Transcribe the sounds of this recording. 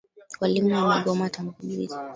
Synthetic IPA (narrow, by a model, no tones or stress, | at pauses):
walimuamaɡɔmatam̩kuɓiɾḭzi